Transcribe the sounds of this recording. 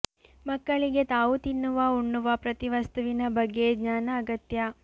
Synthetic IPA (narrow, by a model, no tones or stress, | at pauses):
mɐkːɐɭiɡe̞t̪aːʋut̪inːuʋɐuɳːuʋɐpɾɐt̪iʋɐst̪uʋinɐbɐɡːeɡɲaːnɐːɡɐt̪jɐ